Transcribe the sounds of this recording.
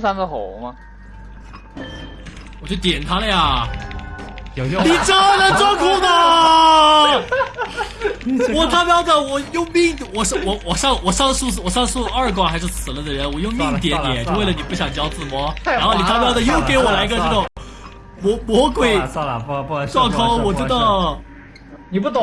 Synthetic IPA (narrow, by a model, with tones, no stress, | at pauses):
sa˥nɡə˧xo˨˧˦mɐ˧ | wɔ˨˩t͡ɕjo˥˩ʊt̪̬jɛ˨˩nt̪ʰa˥lə˧˩jɐ˩ | nii˨˩ʈ͡ʂa˥nə˨˧ʈ͡ʂwŋkʰu˥˩nə˨˩ | wɔ˨˩t̪ʰa˥˧pjɑ˥ʊd̪ə˨˩wɔ˨˩jʊ˥˧ŋmi˥˩ŋwɔ˨˩ʂwɔ˧˩wɔ˨˩ʂɑ˥˧ŋwɔ˨˩ʂɑ˥˧ŋʂu˥˧˩wɔ˨˩ʂɑ˥˧ŋʂu˥˧ɐ˞˥˩kwa˥˩xa˧˥ɪʂ̬ɻ̩˥˩sʰɹ̩˨˩lə˦d̪ə˦ɻə˧˥nwɔ˨˩jʊ˥˧ŋmi˥˧ŋt̪̬jɛ˧˥nt̪jɛ̰˨˩˦nt͡ɕo˥˧we˥˩ɪlə˩ni˨˩pu˥˩ɕjɑ˨˩ŋt͡ɕjɑ˥ʊt͡sɹ̩˥˩mwɔ˧˥aa˥xʊni˨˩t̪ʰa˥˧p̬jɑ˥ʊd̪ə˨˩jo˥˩ʊke˧˥ɪwɔ˨˩la˧˥ɪ˥ɡə˧ʈ͡ʂɤ˥˧˩ɡə˩ | mɔ˧˥mwɔ˧˥kwe˨˩ɪ | ʈ͡ʂwɑ˥˧˩kʰɑ˥ʊwɔ˨˩t͡ɕɥɛ˧˥d̪ə˧ | ni˨˩pu˥˩t̪